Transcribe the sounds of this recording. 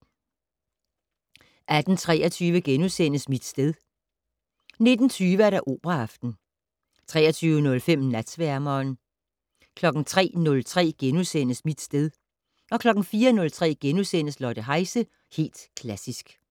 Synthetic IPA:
ʔæd̥n̩t͡sʰʁɛ̰ːɐt͡sʰyːʋəɡ̥enusen̰əsmid̥sd̥eð̞ˠ | ne̝d̥n̩t͡sʰyːʋəæɐɾɑʔo̝ːb̥ʁɑɑfd̥n̩ | t͡sʰʁɛ̰ːɐt͡sʰyːʊənɔ̽lfem̰næd̥sʋæɐmɐːn | kʰlɒ̽ɡ̥n̩t͡sʰʁɛ̰ːnɔ̽lt͡sʰʁɛ̰ːɡ̥enusen̰əsmid̥sd̥eð̞ˠ | ɒ̽kʰlɒ̽ɡ̥n̩fiːɐnɔ̽lt͡sʰʁɛ̰ːɡ̥enusen̰əslɒd̥əɦɑ̈ɪsə | he̝̰ːld̥kʰlæsisɡ̥

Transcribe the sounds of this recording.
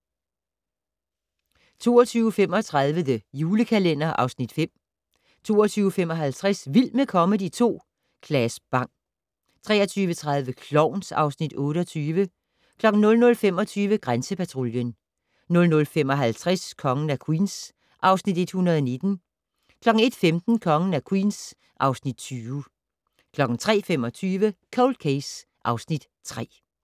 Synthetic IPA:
t͡sʰo̝̰ːɐt͡sʰyːʊfem̰ɒ̽t͡sʰʁɑ̈ð̞ˠʋəðəjuːləkʰælen̰ɐʔɑ̈ʊsnid̥fem̰ | t͡sʰo̝ːɒt͡sʰyːʊəfem̰ɒ̽ɦælt͡sʰʁasʋilmekʰɒ̽məd̥it͡sʰo̝̰ː | kʰlɛsb̥ɑ̈ŋ̰ | t͡sʰʁɛːɐt͡sʰyːʋət͡sʰʁɑ̈ð̞ˠʋəkʰlɒʊ̰nsɑ̈ʊsnid̥ɔ̽ːɾəɒ̽t͡sʰyːʋə | kʰlɒ̽ɡ̥n̩nɔ̽lnɔ̽lfem̰ɒ̽t͡sʰyːʋəɡ̥ʁansəpʰæt͡sʰʁo̝ljən | nɔ̽lnɔ̽lfem̰ɒ̽ɦælt͡sʰʁɛskʰɒ̽ŋən̩ækʰwḭːns | ʔɑ̈ʊsnid̥e̝d̥hunɐðˠɒne̝d̥n̩ | kʰlɒ̽ɡ̥ŋ̩e̝d̥femd̥n̩kʰɒ̽ŋn̩ækʰwḭns | ʔɑ̈ʊsnid̥t͡sʰyː | kʰlɒ̽ɡ̥n̩t͡sʰʁɛ̰ːfem̰ɒ̽t͡sʰyːʋəkʰɒʊl̥̚kʰeɪsʔɑ̈ʊsnid̥ | t͡sʰʁɛ̰ː

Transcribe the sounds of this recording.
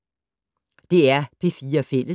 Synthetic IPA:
d̥e̝æɐpʰe̝fiːɐfel̰ə

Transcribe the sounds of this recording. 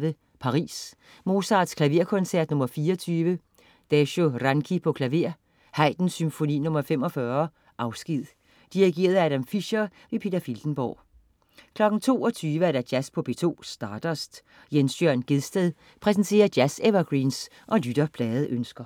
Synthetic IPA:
ʋə | pʰɑ̈ʁḭːs | mo̝ːsɑ̈ːd̥skʰlæʋe̝ɐ̰kʰɒ̽nsæɐd̥nɔ̽mɐfiːɒt͡sʰyːʋə | d̥æɕoʁɑnkʰipʰɒ̽kʰlæʋe̝ɐ̰ | hɑ̈ɪd̥n̩symfo̝nḭːnɔ̽mɐfem̰ɒ̽fɶɐ | ʔɑ̈ʊsɡ̥ið̰ˠ | d̥iʁiɡ̥e̝̰ːɐð̩ˠæɾæmfiɕɐʋe̝pʰe̝ːd̥ɐfild̥n̩b̥ɒ̰ː | kʰlɒ̽ɡ̥n̩t͡sʰo̝̰ːɒ̽t͡sʰyːʋəæɐɾæd̥jæspʰɒ̽b̥e̝t͡sʰo̝̰ːsd̥ɑ̈ːd̥ɐsd̥ | jensjœɐ̰nɡ̥e̝ðˠsd̥eðˠ | pʰʁɛs̬n̩t͡sʰe̝̰ːɐ̥jæseʋɐɡ̥ʁiːns | ʔɒ̽lyd̥ɐpʰlɛːð̩ˠʔønsɡ̥ɐ

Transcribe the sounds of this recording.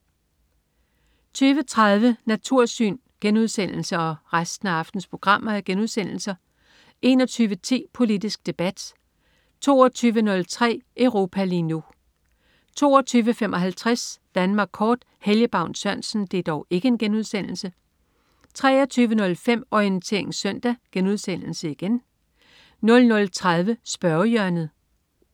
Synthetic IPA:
t͡sʰyːʋət͡sʰʁað̞ˠʋənæt͡sʰuɐ̰sy̰ːn | ɡ̥enuð̞ˠsen̰l̩səɒ̽ʁasd̥n̩æɑ̈fd̥n̩spʰʁo̝ɡ̥ʁɑ̈m̰ɐæɡ̥enuðˠsen̰l̩sɐ | ʔe̝nɒ̽t͡sʰyːʋət͡sʰḭːpʰo̝lid̥isɡ̥̚d̥e̝b̥æd̥ | t͡sʰo̝̰ːɒt͡sʰyːʋənɔ̽lt͡sʰʁɛ̰ːʔœʊʁo̝ːpʰæliːnu | t͡sʰo̝̰ːɐt͡sʰyːʋəfem̰ʔɒ̽ɦælt͡sʰʁasd̥ænmɑ̈ːɡ̥kʰɒːd̥ | heljəb̥ɑ̈ʊ̰nsɶɐnsn̩d̥e̝d̥ɒʊe̝ɡ̥əe̝nɡ̥enuð̞ˠsen̰l̩sə | t͡sʰʁɛːɐt͡sʰyːʋənɔ̽lfem̰ɒiənt͡sʰe̝̰ɐ̰e̝ŋsœn̰d̥æɡ̥enuð̞ˠsen̰l̩səiɡ̥en | nɔ̽lnɔ̽lt͡sʰʁað̞ˠʋəsb̥ɶɐjœɐnð̩ˠ

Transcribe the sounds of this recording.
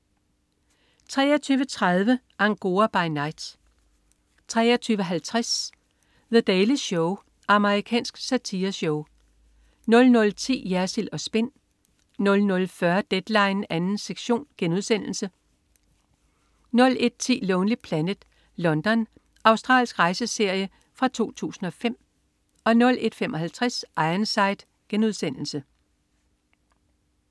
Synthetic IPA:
t͡sʰʁɛ̰ːɐt͡sʰyːʋət͡sʰʁaðˠʋə | ʔɑ̈ŋɡ̥o̝ːɐb̥ɑ̈ɪnɑ̈ɪd̥ | t͡sʰʁɛːɐt͡sʰyːʊʋəɦælt͡sʰʁas | ðəd̥ɛɪliɕɔʊ | ʔɑ̈məʁikʰɛ̰ːnsɡ̥sæt͡sʰiːɐɕɔʊ | nɔ̽lnɔ̽lt͡sʰḭːjæɐsilɒ̽sb̥e̝n̰ː | ɔ̽lnɔ̽lfɶɐd̥ed̥lɑ̈ɪnænn̩seɡ̥ɕo̝̰ːnɡ̥enuð̞ˠsen̰l̩sə | nɔ̽le̝d̥̚t͡sʰḭːlɔːnli̥pʰlænəd̥ | lɒ̽nd̥ɒ̽n | ʔɑ̈ʊsd̥ʁɑ̰̈ːlsɡ̥ʁɑ̈ɪsəse̝ɐ̰jə | fʁɑ̈t͡sʰo̝̰ːt͡sʰṵːsn̩ɒ̽fem̰ | ɒ̽nɔ̽lʔe̝d̥femʔɒ̽hælt͡sʰʁɛsʔɑ̈ɪɐnsɑ̈ɪd̥ | ɡ̥enuð̞ˠsen̰l̩sə

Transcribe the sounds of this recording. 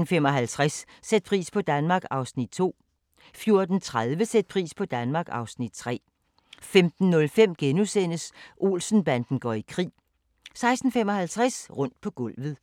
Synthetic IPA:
n̩femɒ̽ɦælt͡sʰʁasː | ed̥̚pʰʁḭːspʰɒ̽d̥ænmɑ̈ːɡ̥ɑ̈ʊsnid̥̚t͡sʰo̝̰ː | fjo̝ɐd̥n̩t͡sʰʁað̞ˠʋəsed̥̚pʰʁḭːspʰɒ̽d̥ænmɑ̈ːɡ̥ɑ̈ʊsnid̥̚t͡sʰʁɛ̰ː | femd̥n̩ːɔ̽lfem̰ɡ̥enusen̰əsʔo̝̰ːlsn̩b̥ænd̥n̩ɡ̥ɒ̰ikʰʁḭː | sɑ̈ɪsd̥n̩fem̰ɒ̽hælt͡sʰʁasʁɔ̽n̰d̥̚pʰɒ̽ɡ̥ɔ̽l̰ʋð̩ˠ

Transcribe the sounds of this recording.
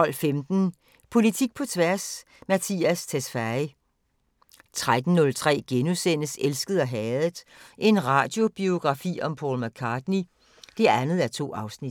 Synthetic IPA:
ɒ̽l̰femd̥n̩ | pʰo̝lit͡sʰiɡ̥̚pʰɒ̽t͡sʰʋæɐs | mæt͡sʰḭːæst͡sʰesfæi | t͡sʰʁad̥n̩ːɔ̽lt͡sʰʁɛ̰ːɡ̥enusen̰əselsɡ̥əð̞̩ˠɒɦɛːð̩ˠʔe̝nʁɑ̈ːd̥jo̝b̥io̝ɡ̥ʁɑ̈fḭːɒ̽mpʰɒ̰ːlmækʰɑːd̥ni | d̥e̝ænð̞̩ˠæɐt͡sʰo̝̰ːɑ̈ʊsnid̥

